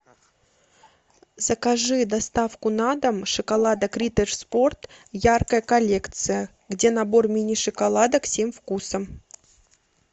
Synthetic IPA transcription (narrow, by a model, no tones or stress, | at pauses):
zəkɐʐɨd̪ɐst̪afkʊnad̪əmʂɨkɐlˠad̪əkɾʲit̪ərspo̞rt̪jarkəjəkɐlʲe̞kt̪sɨjə | ɡdʲe̞nɐbo̞rmʲinʲɪʂɨkɐlˠad̪əksʲemfkusəm